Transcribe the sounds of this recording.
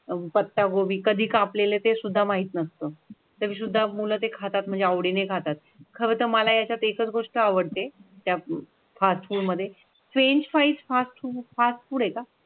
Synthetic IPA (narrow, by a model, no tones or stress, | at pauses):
pət̪ːaɡoʋiːkəd̪ʱiːkaplelet̪esud̪ʱːamaɦiːt̪nəst̪əː | t̪əmiːs̬ud̪ʱːamulət̪ekʰat̪at̪m̤əɳd͡zeəʋɽinekʰat̪at̪̚ | kʰəʋət̪əməlajat͡ɕjat̪ekət͡sɡoʂʈəaʋəɽt̪et̪ja | fasʈfuːɽməd̪ʱːje | sʋeɲt͡ɕfait͡sfasʈfufasʈfuːɽeka